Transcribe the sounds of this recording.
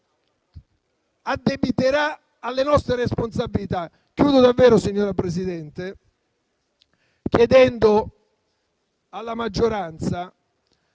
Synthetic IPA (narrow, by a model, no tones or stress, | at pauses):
ad̪ːebit̪eɾa | alːenɔst̪ɾeɾesponsabilit̪a | kːjuːd̪ʊd̪avːɛːɾʊsiɲːoːɾapɾes̬id̪ɛnt̪e | kjed̪ɛnd̪ʊ | alːamad͡ʒːoɾant̪sa